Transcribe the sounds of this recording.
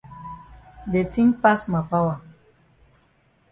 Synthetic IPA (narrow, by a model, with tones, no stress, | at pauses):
de˨ti˦ŋpa˦sma˨pa˦wa˨